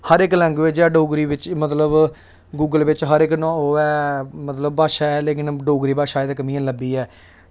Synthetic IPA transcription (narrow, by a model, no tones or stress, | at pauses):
həɾɪklɛ̃ŋɡʋɪt͡ʃɛːɖoːɡɾiːʋɪt͡ʃmət̪ləb | ɡuːɡəlʋɪt͡ʃɦəɾɪknɔ̃ːoːɛːmət̪ləb̚baːʃaːɛːleːk̬ɪnɖoːɡɾiːbaːʃaːeːd̪ːk̬əmĩːãːləbiːɛː